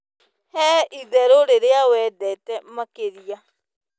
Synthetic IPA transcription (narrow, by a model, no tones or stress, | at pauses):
hɛiðɛɾoɾeɾeawɛːdɛtɛmakeɾia